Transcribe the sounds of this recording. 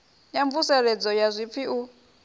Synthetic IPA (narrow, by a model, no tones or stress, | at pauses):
jaɱvusɛɺɛd͡zɔjazʷip̪fʰiʔu